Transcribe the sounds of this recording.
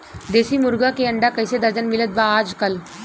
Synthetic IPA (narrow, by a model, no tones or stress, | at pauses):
d̪eːsiːmʊɾɡakeəɳɖaːkəjsed̪əɾd͡ʒənmɪlət̪̚baaːd͡ʒkəl